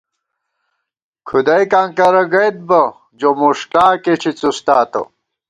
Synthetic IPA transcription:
kʰud̪ɐjkaŋkɐɾɐɡɐjt̪̚bɐ | d͡ʑomuʂʈaːket͡ɕʰit͡sust̪aːt̪o̰

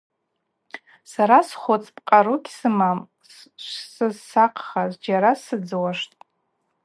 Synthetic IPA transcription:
saɾasχot͡sʼpʼqʼaɾukʲsɨmam | ʃsɨzsaqʰχazd͡ʒaɾasɨd͡zwaʂtʼ

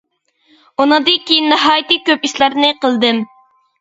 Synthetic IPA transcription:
unɨŋd̪ɨkʲijinːɨɦɑːjt̪ɨkʲøpiʃlˠɑɾnɨqəlˠd̪ɨm

